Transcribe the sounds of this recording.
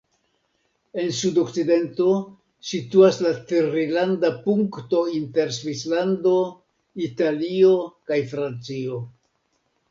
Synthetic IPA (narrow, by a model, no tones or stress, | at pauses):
e̞nsudo̞kt͡side̞nto̞ | situaslatiɾilandapuŋkto̞inte̞ɾsvislando̞ | italio̞kajfɾant͡sio̞